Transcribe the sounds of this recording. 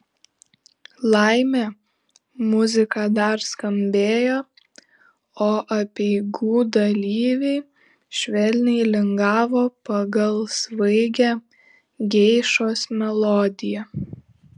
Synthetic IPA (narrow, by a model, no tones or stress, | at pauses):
lˠɑɪmʲæ | mʊzʲɪkɑd̪ɐɾskɐmʲbʲeːjoː | oːʔɐpʲɛɪɡuːd̪ɐlʲiːʋʲɛɪ | ʃʲʋʲɛlʲnʲɛɪlʲɪŋɡɑːʋoːpɐɡɐlˠsʋɐɪɡʲæː | ɡʲɛɪʃoːsmʲɛlˠɔːd̪ʲɪjɛ